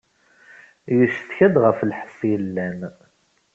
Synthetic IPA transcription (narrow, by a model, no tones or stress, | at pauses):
jəʃθçæd̪ʁəflħə̥sˤjəlːæm